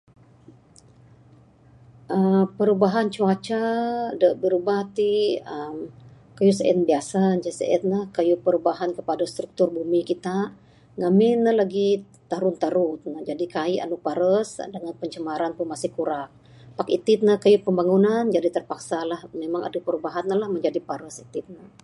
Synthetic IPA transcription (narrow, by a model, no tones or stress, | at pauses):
ʔəpəɾubaɦant͡ʃuat͡ʃadəʔbəɾubaht̪iəm | kəjusəʔɛ̰t̪̚biasand͡ʒasə̰ɛ̰t̪̚nəhkəjupəɾubaɦankəpadast̪ɾuk̚t̪ʊrbumikit̪a | ŋamɪnːəhlaɡi | t̪aɾʊnt̪aɾʊt̪̚nəd͡ʒadikaiʔa̰nupaɾəsdəŋanpəɲt͡ʃəmaɾanpunmasɪhkuɾak̚ | pakit̪ɪt̪̚nəhkəjupəmbaŋunand͡ʒadit̪ərpaksalahmemaŋa̰dapəɾubaɦanːəlahməɲd͡ʒadipaɾəsit̪ɪt̪̚nə